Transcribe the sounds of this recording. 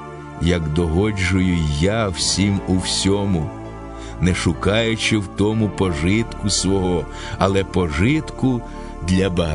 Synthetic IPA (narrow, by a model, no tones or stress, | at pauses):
jɐɡd̪ɔɦɔd͡ʒʊjʊjawsʲimʊwsʲɔmʊ | nɛʃʊkɑjʊt͡ʃɪwt̪ɔmʊpɔʒɪt̪kʊsʋɔɦɔ | ɐlˠɛpɔʒɪt̪kʊ | d̪lʲɐbɐɦ